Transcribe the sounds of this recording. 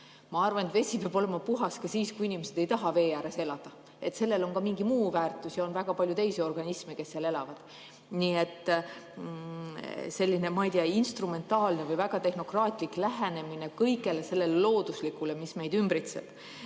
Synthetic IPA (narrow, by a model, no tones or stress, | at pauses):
mɑɑrvɑnet̪ve̞sʲipeɑb̥o̞le̞mɑpuɦɑskɑsiːskuinʲimesed̪̥e̞jt̪ɑɦɑve̞ːjæːɾe̞se̞lɑd̪̥ɑ | e̞t̪se̞lːe̞lo̞nkɑmiŋɡimuːvæːrt̪ːˑusjɑo̞nvæɡ̥ɑpɑlʲjut̪e̞jseo̞rɡ̥ɑnismeke̞sːeɑle̞lɑvɑd̪̥ | nie̞t̪ː | se̞lʲːine̞mɑijd̪iɑinst̪rume̞nt̪ɑːlne̞vɯjvæɡ̥ɑt̪e̞hno̞krɑːt̪ˑlikˑlæɦene̞mine̞kɤjkˑe̞le̞se̞lːe̞lelo̞ːd̪̥uslikːule̞misme̞jd̪ymbɾit̪sḛb̥